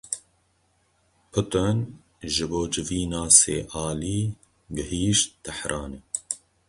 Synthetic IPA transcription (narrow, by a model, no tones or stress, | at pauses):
pʰʊt̪ən | ʒɨboːd͡ʒɪviːnɑːsḛːʔɑːliː | ɡɨhiːʃt̪̚d̪əħɾʔɑːne